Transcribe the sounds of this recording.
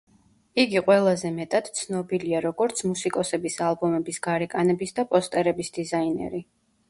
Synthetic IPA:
iɡiqʼwɛlˠazɛmɛt̪ʼad̪̥t̪sʰnɔbiliaɾɔɡɔɾt̪sʰmusikʼɔsɛbisalˠbɔmɛbisɡaɾɛkʼanɛbisd̪apʼɔst̪ʼɛɾɛbisd̪̥izainɛ̰ɾi

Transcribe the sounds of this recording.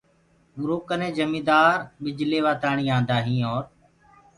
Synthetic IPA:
mɾoːkənẽːd͡ʒəmĩːd̪aːɾɓɪd͡ʒleːʋaːt̪aːɳiːãːnd̪aːɦĩːɔːɾ

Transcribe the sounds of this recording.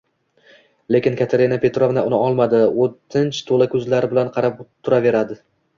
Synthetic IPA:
le̞kʲɪnkʰʲat̪ʰeɾinapʰe̞t̪ɾovnaʊnɪɒlˠmad̪ɪʊtt̪ʰːɪnt͡ʃʰt̪ʰolakʰɵzlaɾɪbɪlanqʰɑɾapt̪ʰːʊɾave̞ɾad̪ɪ

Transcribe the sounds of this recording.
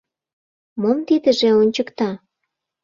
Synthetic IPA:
momt̪id̪ə̆ʒeonʲt͡ɕəkt̪ɑ

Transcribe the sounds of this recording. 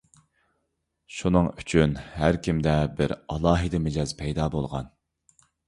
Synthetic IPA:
ʃunɨŋyt͡ʃʰynhæɾkʲʰimd̪ɛbɪɾɑlˠɑːɦɨd̪ɨmed͡ʒɑzpʰɛjd̪ɑːbolˠʁɑ̰n

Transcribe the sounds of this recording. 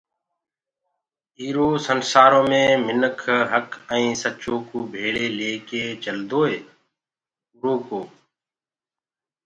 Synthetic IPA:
iːɾoːsənsaːɾõːmẽːmɪnəkʰɦəkə̃ĩːsət͡ʃõːkoːbʱeːɭeːleːkeːt͡ʃəld̪oːeː | uɾoːkoː

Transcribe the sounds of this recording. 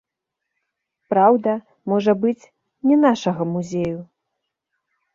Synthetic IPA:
pɾawd̪ɐ | mɔʐɐbɨt͡sʲ | nʲɛnaʂɐɣɐmuzʲeju

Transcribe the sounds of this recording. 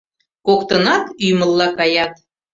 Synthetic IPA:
kokt̪ənɑt̪yjmə̆lːɑkɑjɑt̪̚

